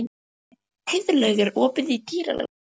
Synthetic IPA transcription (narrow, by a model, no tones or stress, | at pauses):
hɪðlœɥɣɪɾɔːpɪðit̪iːɾa̰lɛ̰